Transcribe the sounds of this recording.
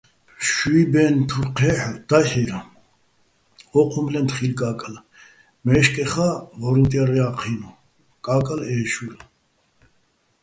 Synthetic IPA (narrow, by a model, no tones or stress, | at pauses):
ʃuibɛnt̪ʰuɾqʰɛd̪̥ahɛɾa | ɔqʰumlɛnt̪χilkʼakʼal | mɛʃkʼɛχavɔɾint̪ʼɛɾiaqʰinu | kʼaːkʼalɛːʃul